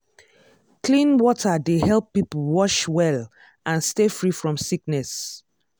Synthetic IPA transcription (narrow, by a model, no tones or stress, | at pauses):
klĩnwɔtʰədehɛlˠpːipl̩wɔʃwɛl | ʔãnstefɹifɹɔ̃msiknɛs